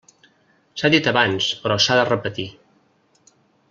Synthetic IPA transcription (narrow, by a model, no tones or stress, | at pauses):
saðit̪əβanspɾɔsaðərəpət̪i